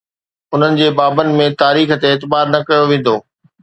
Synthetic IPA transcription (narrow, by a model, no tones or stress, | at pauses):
ʊn̤ənɪ̆d͡ʑeːbaːbənɪ̆mẽt̪aːɾiːxt̪eːt̪ɪbaːɾnɐkɐjoʋẽːn̆d̪oː